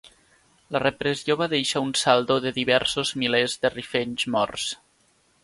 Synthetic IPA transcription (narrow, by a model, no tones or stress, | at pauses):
lərepɾezioβaðejʃaunsalˠd̪oðəðiβɛɾsozmilezðərifeɲzmɔ̰rs